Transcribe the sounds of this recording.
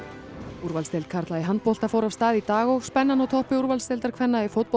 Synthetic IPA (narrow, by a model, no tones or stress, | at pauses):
uɾvalst̪ejlt̪kʰaɾ̥t̪laiɦant̪pol̥t̪afoːwɾav̥st̪aːðit̪aːɣɔɣspɛnːanawt̪ʰɔhpɪuɾvalst̪elt̪aɾkʰvɛnːaifowt̪̚p